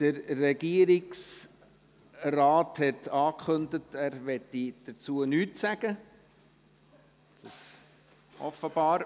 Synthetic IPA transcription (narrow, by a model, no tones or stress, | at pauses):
d̥əɾːɛɡiəɾiks | rɑːthɛtʰɑːkχɵndətæːɾʋɛt̪ːid̥ət͡suːənyːtsæɡ̥ə | d̥ɑs | ʔɔfəb̥ɑːɾ